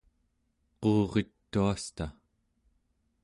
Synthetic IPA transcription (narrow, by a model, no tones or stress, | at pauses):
qoːʁe̞t̪ːuast̪a